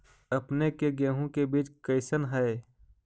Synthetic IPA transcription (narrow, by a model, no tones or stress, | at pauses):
ɐpnekeɡɛːɦõkebiːt͡ʃkəɪsənɦɛe